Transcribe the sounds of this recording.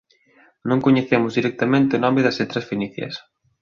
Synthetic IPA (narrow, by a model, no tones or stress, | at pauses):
nõŋkoɲeθemʊzðiɾɛk̚t̪ɐmẽnt̪ɪonɔmɪðɐset̪ɾɐsfiniθjɐ̰s